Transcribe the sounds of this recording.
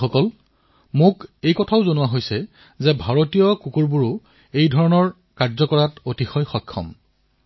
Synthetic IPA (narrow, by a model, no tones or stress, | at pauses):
ɔkɔl | mʊkejkɔtʰaʊzonʊwaɦojsɛ | zɛbʱaɹotijɔkukuɹbuɹʊ | ejdʱɔɹɔnɔɹ | kaɹzɔkɔɹatotixɔjxɔjkʰːɔ̰m